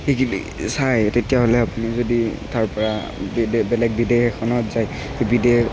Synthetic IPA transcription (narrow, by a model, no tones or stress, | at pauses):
xekiḭ | sajtetijaɦolɛapunizoditaɹpɔɹa | bbɛlɛk̚bidexɛkʰɔnɔtzaj | xebide